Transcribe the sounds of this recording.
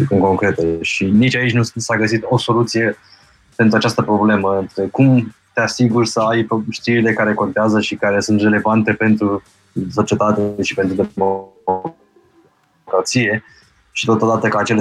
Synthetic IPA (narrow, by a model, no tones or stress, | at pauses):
ɨŋko̞ŋkɾe̞t̪eʃinit͡ʃait͡ʃʲnusaɡəsit̪o̞so̞lut̪sije̞ | pent̪ɾuat͡ʃast̪əpɾo̞ble̞məɨnt̪ɾekumt̪easiɡurʲsəajʃt̪iɾile̞kaɾe̞ko̞nt̪eazəʃikaɾe̞sunt̪re̞le̞vant̪e̞pe̞nt̪ɾu | so̞t͡ʃie̞t̪at̪eʃipe̞nt̪ɾud̪o | okɾat̪sije̞ | ʃi̥t̪o̞t̪od̪at̪əkəat͡ʃe̞l